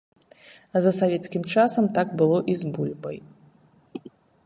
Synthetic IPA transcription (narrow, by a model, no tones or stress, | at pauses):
zɐsavʲɛt̪skʲimt͡ʂasɐmt̪aɡbɨlˠɔʔizbulʲbɐj